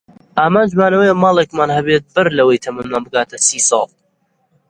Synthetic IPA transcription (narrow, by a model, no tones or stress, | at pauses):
ʔaːmaːnd͡ʒmaːnɐwɐjɐmɑːlˠekmaːnhɐbeːt̪̚bɨɾlɐwejt̪ʰɐmɨnmaːnbɨɡaːt̪ʰɐsiːsɑ̰ːlˠ